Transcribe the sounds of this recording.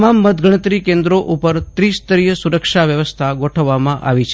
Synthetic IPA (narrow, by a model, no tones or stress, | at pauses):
mamːəd̪ɡʱəɽ̃ət̪ɾikẽnd̪ɾoʔupəɾt̪ɾist̪əɾiɦəsuɾəkʃaʋjəʋəst̪ʰaɡoʈʰəʋːamãʔʔa̰ʋit͡ʃʰ